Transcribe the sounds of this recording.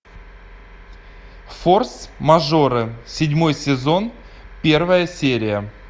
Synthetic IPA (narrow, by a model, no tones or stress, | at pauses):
fo̞rsmɐʐo̞ɾɨsʲɪdʲmo̞jsʲɪzo̞n | pʲe̞rvəjəsʲeɾʲɪjə